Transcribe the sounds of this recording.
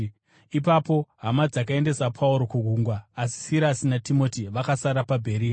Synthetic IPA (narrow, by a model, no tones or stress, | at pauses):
ipapo̞ɦamad͡zakae̞nde̞sapʰauɾo̞kuɡʱuːŋɡwaːsi̥siɾasinatimo̞tiʋakasaɾapabʱe̞ɾiːa